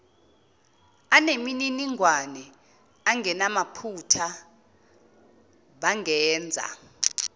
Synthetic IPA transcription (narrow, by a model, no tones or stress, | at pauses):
anemininiŋʱwanɛ | aŋʱɛnamapʰutʰa | ɓaŋʱɛːnd͡zʱa̰